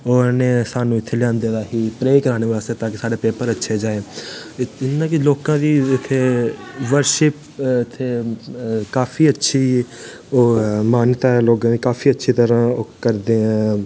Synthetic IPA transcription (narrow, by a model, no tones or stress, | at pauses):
oːneːsaːnũːɪt̪ʰːeːlãːnd̪eːd̪aːɦiːpɾeːkəɾaːñeːʋaːaːseːt̪ãːkɪsaːɖeːpeːpəɾətːʃʰeːd͡ʒaːeː | ɪnãːkɪloːkãːd̪iːɪt̪ʰːeːʋəɾʃɪp | ɪt̪ʰːeː | kaːfʰiːətːʃʰiː | oːmaːnt̪aːɛloːkãːd̪iːkaːfʰiːətːʃʰiːt̪əɾãːoːkəɾd̪eːɦãː